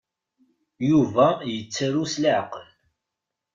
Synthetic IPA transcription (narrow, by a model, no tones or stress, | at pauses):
juvæjət͡sːəɾuslʕqəl